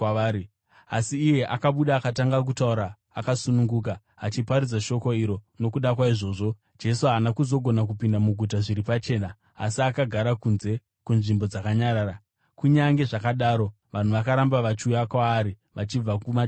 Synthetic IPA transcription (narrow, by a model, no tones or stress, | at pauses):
aːɾi | a̰siːje̞ʔakaɓuɗaːkataŋɡak̬utauɾaː | kasunuŋɡuːkaː | t͡ʃipaɾid͡zaʃo̞ko̞iɾo̞no̞kuɗakwaiʐo̞ːʐo̞ | d͡ʒe̞suɦaːnakuzo̞ɡʱo̞nak̬upindamuɡʱut̬aʐiɾipat͡ʃe̞ːna | a̰siakaɡʱaɾakunze̞ | kunʐimbo̞d͡zakaɲaɾaːɾa | kuɲaŋɡe̞ʐakaɗaːɾo̞ | ʋan̤uʋakaɾambaʋat͡ʃiujakwaːɾi | ʋat͡ʃib͡vakuma